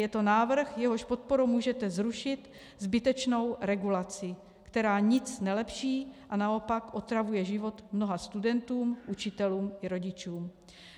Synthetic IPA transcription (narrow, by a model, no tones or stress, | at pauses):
jɛt̪o̞naːvr̩xjɛɦo̞ʃpo̞t̪̚po̞ɾumuːʒɛt̪ɛzɾuʃɪt̪ | zbɪt̪ɛt͡ʃno̞wɾɛɡulat͡sɪ | kt̪ɛɾaːɲɪt͡snɛlɛpʃiːʔanao̞pakʔo̞t̪ɾavujɛʒɪvo̞t̪mno̞ɦast̪udɛnt̪uːmʔut͡ʃɪt̪ɛluːmʔɪɾo̞ɟɪt͡ʃuːm